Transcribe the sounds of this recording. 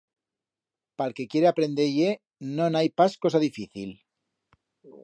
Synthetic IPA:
palke̞kje̞ɾeapɾend̪eʝe | nõnajpasko̞saðifiθil

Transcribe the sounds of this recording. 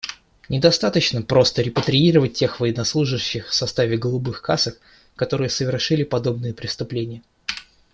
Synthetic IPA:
nʲɪd̪ɐst̪at̪ət͡ɕnəpɾo̞st̪əɾʲɪpət̪ɾʲɪiɾəvət̚ʲtʲːe̞xvəjɪnɐslˠuʐɨɕːɪxfsɐst̪avʲɪɡəlˠʊbɨxkasəkː | ɐt̪o̞ɾɨjəsəvʲɪrʂɨlʲɪpɐd̪o̞bnɨjəpɾʲɪst̪ʊplʲenʲɪjə

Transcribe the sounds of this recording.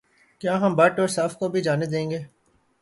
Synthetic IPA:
kjaːɦɐmbɐʈɔːɾsaːfkobʱid͡ʒaːned̪ẽːŋɡeː

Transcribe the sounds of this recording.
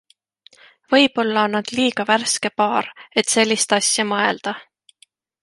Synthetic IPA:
vɤ̞jb̥o̞lːɑnːɑd̪̥liːɡ̥ɑværske̞pɑːɾe̞t̪se̞lʲːist̪ɑsʲjɑmɤe̞ld̪̥ɑ

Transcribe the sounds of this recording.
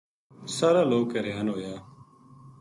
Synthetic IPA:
saːɾaːloːkəɾeɦənɦoːjaː

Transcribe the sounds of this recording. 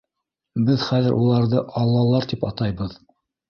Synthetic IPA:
bɘðχæðɘɾʔulˠɑɾðɤʔɑlˠːɑlˠːɑɾt̪ipɑt̪ɑjβɤð

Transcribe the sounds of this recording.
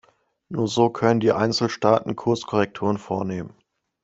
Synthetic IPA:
nuːɐzoːkʰœnəndiːʔaɪnt͡sl̩ʃtaːtn̩kʰʊɐskʰɔʁɛk̚tʰuːʁ̞ənfoːɐneːmən

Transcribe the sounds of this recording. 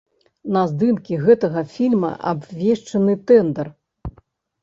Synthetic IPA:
nɐzd̪ɨnkʲiɣɛt̪ɐɣɐfʲilʲmɐ̰ʔa̰bvʲeʂt͡ʂɐnɨt̪ɛnd̪ɛr

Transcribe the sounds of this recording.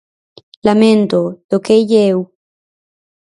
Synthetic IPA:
lamẽnt̪oð̥okeʎew

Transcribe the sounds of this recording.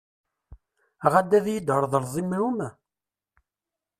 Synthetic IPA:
ʁad̪ːæðjəd̪əɾˤðˤəɾzˤimumæ

